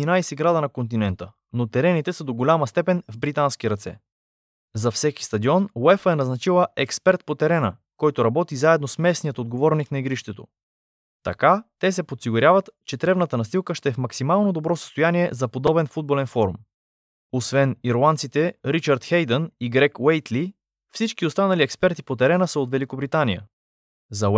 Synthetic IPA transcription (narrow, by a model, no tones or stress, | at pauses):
inajsɛɡɾad̪ənɐkont̪inɛnt̪ə | not̪ɛɾɛnit̪ɛsəd̪oɡolʲaməst̪ɛpɛnvbɾit̪ansk̟iɾɐt̪sɛ̰ | zɐfsɛki̥st̪ɐd̪iɔnlɛfəɛnɐznɐt͡ʃilˠəɛkspɛɾt̪̚pot̪ɛɾɛnə̰ | kɔjt̪oɾɐbɔt̪izaɛd̪nosmɛsnijət̪od̪ɡovɔɾniknɐiɡɾiʃt̪ɛt̪o̰ | t̪ɐ̰kat̪ɛsɛpot̪siɡʊɾʲjavət̪t͡ʃɛt̪ɾɛvnət̪ənɐst̪ilˠkəʃt̪ɛːfmɐksimalˠnod̪obɾɔsə̥st̪ojanʲiɛzɐpod̪ɔbɛnfud̪̚bolɛnfɔɾṵm | osvɛniɾlˠant̪sit̪ɛɾit͡ʃɐɾt̪xɛjd̪əniɡɾɛkwɛjt̪li | fsit͡ʃkiost̪anɐliɛkspɛɾt̪ipot̪ɛɾɛnəsəot̪vɛlikobɾit̪anijə̰ | zɐ